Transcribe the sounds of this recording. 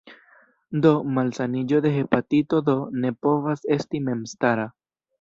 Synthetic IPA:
d̪o̞malsanid͡ʒo̞d̪e̞ɦe̞pat̪it̪od̪o̞ne̞po̞vase̞stime̞mstaɾa

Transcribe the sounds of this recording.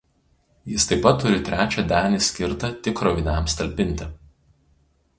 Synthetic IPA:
jɪst̪ɐɪpɐt̪ːʊɾʲɪt̪ʲɾʲʔæːt͡ʃʲɛd̪ʲæːnʲisʲkʲɪɾt̪ɐt̪ʲɪkːɾɔʋʲɪnʲæmsʲt̪ɐlʲpʲɪnʲt̪ʲɪ

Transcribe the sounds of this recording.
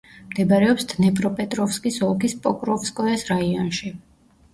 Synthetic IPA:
md̪ɛbaɾɛɔpsd̪nɛpʼɾɔpʼɛt̪ʼɾɔfskʼisɔlˠkʰispʼɔkʼɾɔfskʼɔɛsɾaiɔnʃi

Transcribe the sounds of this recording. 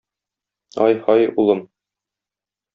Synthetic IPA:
ɒjhɒjulˠɤm

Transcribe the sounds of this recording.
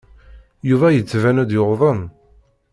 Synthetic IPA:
juvæjət͡sːvænæd̪joʁðˤən

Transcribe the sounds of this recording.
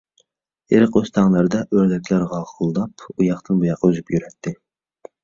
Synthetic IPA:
eɾɨqøst̪ʰɑŋlˠæɾd̪ɛʔøɾd̪ɛkʲlæɾʁɑʁʊlˠd̪ɑpʰujɑχt̪ɨnbujɑqːøzypjyɾɛt̪ʰːɪ

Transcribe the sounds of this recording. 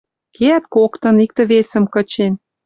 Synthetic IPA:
keæt̪kokt̪ɤ̆nik̚t̪ə̆βesə̆mkə̆t͡ɕen

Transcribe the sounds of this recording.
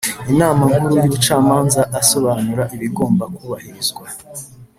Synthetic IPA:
inaːmaŋkuɾujuːβut͡ʃaːmaːnzaʔːso̞βaːnuɾaʔiβiɡo̞ːmbakuβahiɾizɡwa

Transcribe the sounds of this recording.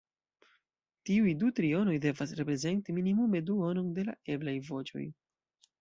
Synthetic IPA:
tiujdutɾio̞no̞jde̞vasɾe̞pɾe̞ze̞ntiminimume̞duo̞no̞nde̞la̰e̞blajvo̞t͡ʃo̞̰j

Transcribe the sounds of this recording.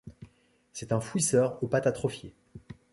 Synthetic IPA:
sɛt̪ɛ̃fwisœʁopat̪at̪χɔfje

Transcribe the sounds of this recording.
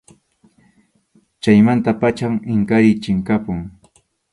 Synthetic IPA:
t͡ʃajmant̪apat͡ʃamɪŋkaɾɪt͡ʃɪŋkapʊŋ

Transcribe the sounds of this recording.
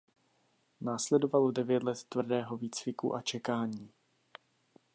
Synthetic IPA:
naːslɛdo̞valo̞dɛvjɛt̪lɛt̪ːvr̩dɛːɦo̞viːt͡svɪkṵʔat͡ʃɛkaːɲiː

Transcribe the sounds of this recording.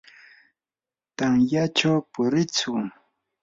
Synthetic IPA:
t̪aŋjat͡ʃawpʊɾɪt͡sʊ

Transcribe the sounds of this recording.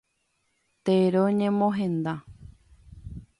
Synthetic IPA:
t̪eɾoɲẽmõɦẽnd̪a

